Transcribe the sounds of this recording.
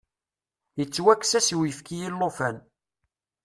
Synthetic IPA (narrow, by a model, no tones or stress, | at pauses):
jət͡sːwækːsæsiwjəfkijilːofæn